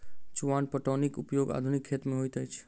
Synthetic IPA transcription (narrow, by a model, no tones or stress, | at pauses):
t͡ʃuʋanpəʈonikupjoːɡa̰d̪ʱunikʰːet̪mẽɦojt̪əjt͡ʃʰ